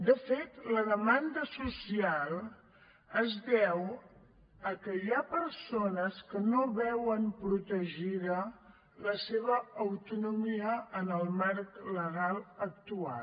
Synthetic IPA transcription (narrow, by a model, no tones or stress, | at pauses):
d̪əfet̪ləðəmand̪əsusialˠ | əzdɛw | əkəjapəɾsonəskənoβɛwəmpɾut̪əʒiðə | ləseβəːwt̪unumiəʔənəlˠmaɾkləɣalˠək̚t̪ua̰